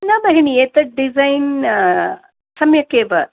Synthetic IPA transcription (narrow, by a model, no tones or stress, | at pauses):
nɐbɐɦenieːt̪ɐɖizɐjn | sɐmjɐkeːʋɐ